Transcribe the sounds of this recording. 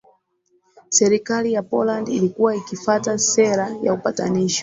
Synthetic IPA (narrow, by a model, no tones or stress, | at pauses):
sɛɾikalijapɔlandilikuwaikifatasɛɾaja̰upata̰niʃɔ̥